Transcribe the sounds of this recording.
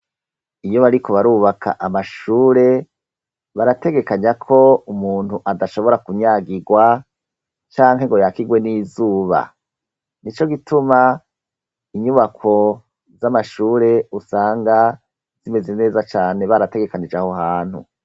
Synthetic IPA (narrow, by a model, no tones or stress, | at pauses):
ijo̞βaɾikʰo̞βaɾuːβakʰa̰ʔamaʃuːɾe̞ | βaɾate̞ɡe̞kaɲakʰo̞umuːnhuʔadaʃo̞βo̞ɾakuɲaːɡiɡwa | t͡ʃaːŋɦe̞ŋɡo̞jakiɡwe̞niːzuːβa̰ | nit͡ʃo̞ɡitʰuma | iɲuβakʰo̞ | zamaʃuːɾe̞usaːŋɡa | z̥ime̞ze̞ne̞ːzat͡ʃaːne̞βaɾate̞ɡe̞kanid͡ʒaho̞ɦaːn̥hṵ